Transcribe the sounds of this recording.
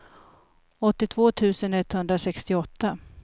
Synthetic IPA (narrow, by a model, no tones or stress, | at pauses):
ɔt̪ːɪt̪ʰv̥oːt̪ʰʉ̟ːsənɛt̪ːhɵnd̪ɾasɛkst̪ɪɔt̪ːa